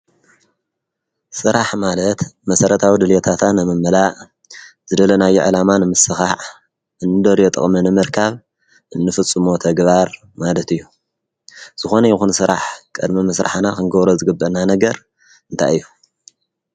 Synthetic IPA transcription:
sɨɾaħmalɐt̪mɐsɐɾɐt̪ʰawid̪ɨljot̪ʰat̪ʰanɨmɨmːɨlaʔ | z̥ɨd̪ɐlɐnajːuʕɨlamanɨmɨsɨxaʕ | ʔɨnːɨd̪ɐɾjot̪ʼɨ̰χʼmɨnɨmɨɾkʰaβ | ɨnːɨfɨt͡sʼːɨmo̞t̪ʰɐɡβaɾ | malɐt̪ɨjːu | z̥ɨxo̞nɐjixunsɨɾa̰ħkʼɨd̪mimɨsɾa̰ħnakɨnɡɐβɾozɨɡɨbːɐnanɐɡɐɾ | ɨnt̪ʰa̰jɨjːu

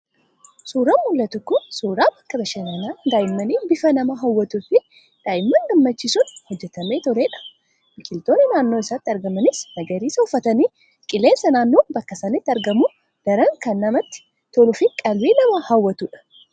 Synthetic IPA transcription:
suːɾamːʊlːɐt̪ʊkːʊnsuːɾaːbɐkːɐbɐʃɐnenaːɡ̪aːjɪmːɐniːbɪfɐnɐmɐɦɐwːɐt̪ufɪ | d̪̥aːjɪmːɐŋɡɐmːɐt͡ʃːɪsʊnhɔd͡ʒːɛt̪ɐmeːt̪ɔɾe̞ːᶑɐ̥ | bɪkɪlt̪o̞ːnːɪnaːnːoːɪsaːt̪ːɪɐɾɡɐmɐnɪsnɐɡɐɾiːsɐʊfːɐt̪ɐniː | kʼɪle̞ːnsɐnaːnːoːbɐkːɐsɐnɪt̪ːɐɾɡɐmu | d̪̥ɐɾɐŋkɐnːɐmɐt̪ːɪ̥ | t̪ɔlʊfɪkʼɐlwiːnɐmɐhɐwːɐt̪uːᶑɐ̥

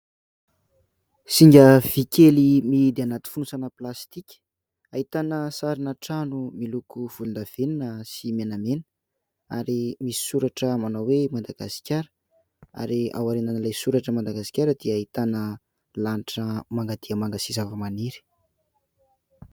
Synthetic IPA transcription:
siŋɡʲəv̥ikelimid̪eanat̪i̥funusanəplast̪ikʲə̥ | ait̪anəsaɾinaʈ͡ʂanumilukuv̥ulund̪av̥eninəsimenamenə | a̰ɾimisi̥suɾaʈ͡ʂəmanawwemand̪aɡ̥asi̥kʲaɾə̥ | a̰ɾia̰waɾenanlajsuɾaʈ͡ʂəmand̪aɡasi̥kʲaɾəd̪iəait̪anə | laniʈ͡ʂəmaŋɡad̪̥iəmaŋɡəsizavəmaniɾi̥

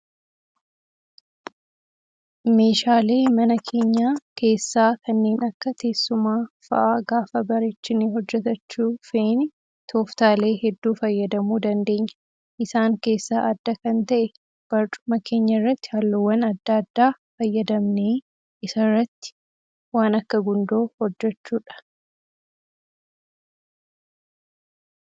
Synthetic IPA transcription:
me̞ːʃaːle̞ːmɐnɐkʰe̞ːɲːaːke̞ːsːaːkɐnːe̞ːnɐkːɐt̪ʰe̞ːsːʊmaːfɐ̰ʔaːɡaːfɐbɐɾɛt͡ʃːɪniːɦɔd͡ʒːɛt̪ɐt͡ʃːuːfeːnɪ | t̪ʰo̞ːft̪aːle̞ːɦɛd̪ːuːfɐjːɐd̪ɐmuːd̪ɐnd̪e̞ːɲːɐ̥ | ʔɪsaːŋke̞ːsːaːʔɐd̪ːɐkɐnt̪ɐʔɛ | b̥ɐɾt͡ʃʼʊ̥mɐke̞ːɲːɐɪrːɐt̪ːɪ̥hɐlːɔwːɐnɐd̪ːɐd̪ːaːfɐjːɐd̪ɐmneː | ʔɪsɐrːɐt̪ːɪ̥ | waːnɐkːɐɡʊnd̪oːhɔd͡ʒːɛt͡ʃːuːᶑɐ̥

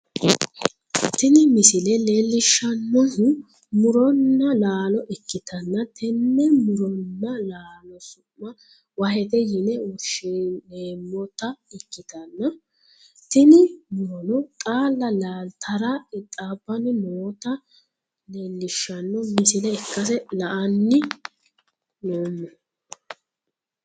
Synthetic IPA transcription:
t̪ɪnɪmɪsɪlɛle̞ːlːɪʃːɐnːɔh | mʊɾɔnːɐlaːlɔʔɛkːɪt̪ɐnːɐt̪ɛnːɛmʊɾɔnːɐlaːlɔsʊmːɐ | wɐɦɛd̪ɛjɪnɛwɔʃeleːmːɔt̪ɐɛkːɪt̪ɐnːɐ | t̪ɪnɪmʊɾɔnɔt̪ʼaːlːɐlaːlt̪ʰɐɾɐɛt̪ʼaːbːɐnɪmoːt̪ɐ | neːlːɪʃːɐnːɔmɪsɪnɛɛkːɐs̬ɛlɐʔɐnːɪ | noːmːɔ

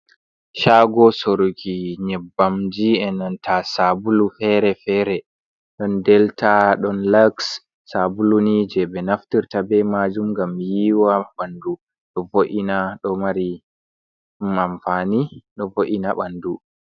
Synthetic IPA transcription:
ʃaɡɔsoɾɡiɲɛbːamd͡ʒiɛnantʰasabulufɛɾɛfɛɾɛ | ɗɔndɛltaɗɔnlaksː | abulunid͡ʒɛbɛnaftiɾtabɛmad͡ʒumɡamjiːwaɓandu | ɗɔvoʔinaɗɔmaɾi | mamfaniɗɔvoʔinaɓandu

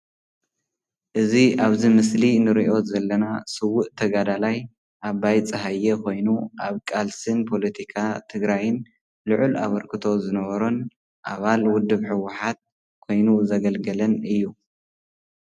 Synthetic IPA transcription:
ʔɨziʔaβzimɨslinɨɾiʔo̞zɐlːɐnasɨwːʊʔt̪ʰɐɡad̪alaj | ʔaβajt͡sʼɨɦajːɛkʰo̞jnuʔaβkʼalsɨnpʰo̞lɐt̪ʰikʰat̪ʰɨɡɾajɨn | lɨʕʔula̰βɐɾkʰɨt̪ʰo̞zɨnɐβɐɾon | ʔaβalwʊd̪ːɨβħɨwʊħat̪̚ | kʰo̞jnuzɐɡɐlɡɐlɐnɨjːu

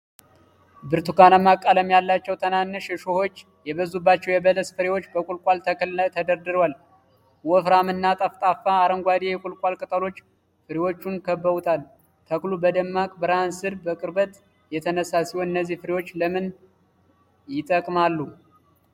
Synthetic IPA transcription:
bɨɾt̪ʰukanamːakʼːaləmjalːat͡ʃːɛwt̪ʰənanːɨʃɛʃoho̞t͡ʃː | jɛbəzubːat͡ʃːɛwjɛbələsfɨɾewot͡ʃːbəkʼulkʼwalt̪ʰəkʰlət̪ʰəd̪əɾd̪ɨɾwal | wɔfɾamɨnːat̪ʼəft̪ʼafːaːɾəŋɡʷad̪ejɛkʼulkʷʼwalkʼɨt̪ʼəlo̞t͡ʃː | fɨɾewo̞t͡ʃːunkʰəbːəβut̪ʰal | t̪ʰəklubəd̪əmːakʼbɨɾansɨɾbəkʼɨɾbət̪ | jɛt̪ʰənəsasiwoɨnːəzːihfɨɾewo̞t͡ʃːləmɨn | jɪt̪ʼəkʼmalːu

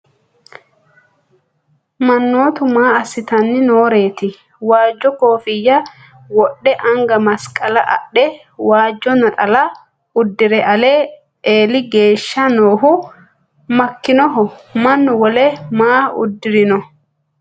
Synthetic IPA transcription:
mɐnːo̞ːt̪ʊmaːɐsːɪt̪ɐnːɪno̞ːɾe̞ːt̪ɪ | waːd͡ʒːɔko̞ːfɪjːɐ | wɔɗːɛʔɐŋɡɐmɐskʼɐlɐʔɐ̰ɗɛ | waːd͡ʒːɔnɐt̪ʼɐlɐ | ʊd̪ːɪɾɛʔɐle | eːlɪɡe̞ːʃːɐno̞ːɦʊ | mɐkːɪnɔɦɔmɐnːʊwɔlɛmaːʊ̰d̪ːɪɾɪnɔ

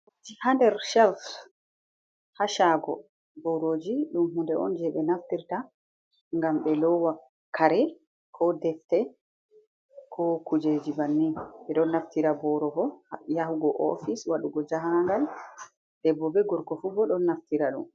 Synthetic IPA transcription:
d͡ʒihandɛɾʃɛlf | haʃaːɡɔ | bɔɾoːd͡ʒiɗumɦundɛʔɔ̰nd͡ʒɛɓɛnaftiɾta | ŋɡamɓɛlɔwa | kaɾɛ | kʰɔdɛftɛ | kʰɔkud͡ʒed͡ʒibanːiɓɛɗɔnːaftiɾabɔɾɔɡɔjaɦuɡɔʔɔ̰fiswaɗuɡɔd͡ʒaɦaŋɡal | dɛbɔbɛɡɔɾɡɔfubɔɗɔnːaftiɾaɗṵm

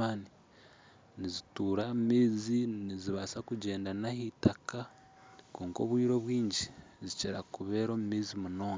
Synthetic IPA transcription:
ani | nizituːɾammiːziniziβasakuɟe̞ːndanahitaka | koːŋko̞ːβwiːɾo̞βwiːɲɟiziceɾakuβeːɾo̞ːmumiːzimuno̞ːŋɡa

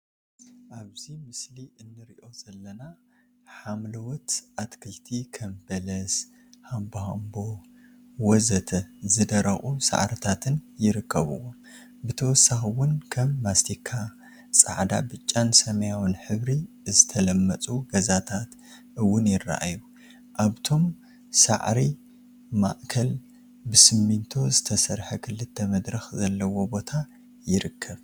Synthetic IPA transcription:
ʔaβzimɨsliʔɨnːɨɾiʔo̞z̥ɐlːɐna | ħamlɐwɔt̪ʔat̪kʰɨlt̪ʰikʰɐmbɐlɐs | hamboha̰mbo | wɔzɐt̪ʰɐzɨd̪ɐɾɐχʼusa̰ʕɾɐt̪ʰat̪ʰɨnjɪɾɨkʰːɐβɨ̰wom | bɨt̪ʰɐwɔsːaxɨwʊnkʰɐmːast̪ʰikʰːa | t͡sʼa̰ʕd̪a̰bɨt͡ʃʼːansɐmɐjawɨnħɨβɾi | zɨt̪ʰɐlɐmːɐt͡sʼuɡɐzat̪ʰat̪ | ʔɨwːʊnjɪrːa̰ʔa̰ju | ʔaβt̪ʰo̞m | sa̰ʕɾi | ma̰ʔkʰɐl | bɨsɨmːint̪ʰo̞zɨt̪ʰɐsɐɾħɐkʰɨlːɨt̪ʰːɐmɐd̪ɾɐxzɐlːɐwo̞bo̞t̪ʰa | jɪɾɨkʰːɐβ

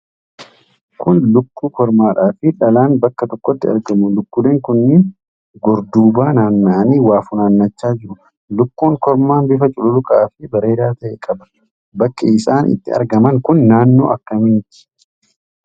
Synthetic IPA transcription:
kʰʊnlʊkːuːkɔɾmaːᶑaːfɪᶑɐlaːnbɐkːɐt̪ɔkːɔt̪ːɪɐ̰ɾɡɐmʊlʊkːʊleːŋkʊnːɪn | ɡɔɾd̪uːbaːnaːnːaːniːwaːfʊnaːnːɐt͡ʃːaːd͡ʒɪɾʊ | lʊkːuːŋkɔɾmaːnbɪfɐt͡ʃʼʊlʊlʊkʼɐaːfɪbɐɾe̞ːɾaːt̪ɐʔeːkʼɐbɐ̥ | bɐkːɐɪsaːnʔɪ̰t̪ːɪ̰ɐ̰ɾɡɐmɐŋkʊnːaːnːo̞̰ːɐkːɐmɪnt̪ɪ̥

